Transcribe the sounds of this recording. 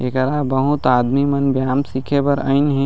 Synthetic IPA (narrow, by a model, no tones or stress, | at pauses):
ekəɾaːbɐɦũt̪aːd̪mimɐnbjaːmsiːkʰebɐɾəɪnɦɛ̃